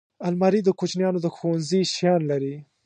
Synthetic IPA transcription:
almɑɾid̪əkot͡ʃnjɑnod̪əxowanziʃjɑnlaɾi

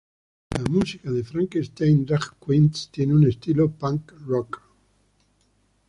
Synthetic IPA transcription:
lʔamusikaðefɾaŋkest̪ejnrakkwint̪st̪jeneunest̪ilopaŋkrɔk

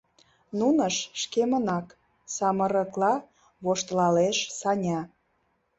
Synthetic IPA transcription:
nunəʃʃkemənɑk | sɑmə̆ɾəklɑ | βoʃt̪lɑleʃsɑnʲɑ

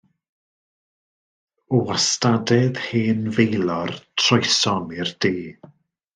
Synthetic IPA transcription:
ɔastadɛðheːnvejlˠɔrtʰrɔjsɔnɪrd̥eː

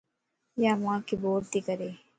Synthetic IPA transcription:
jaːʋãːkiboːɾt̪ikəɾeː

